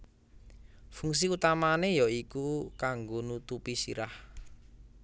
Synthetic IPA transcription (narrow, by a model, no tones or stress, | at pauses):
fuŋs̬iut̪amanejɔikukaŋɡonut̪upisḭɾah